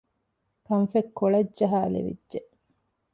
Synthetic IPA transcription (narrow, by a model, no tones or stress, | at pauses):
kɐnfekːoɭɐdd͡ʒɐɦaːlḛʋḭdʒeʔ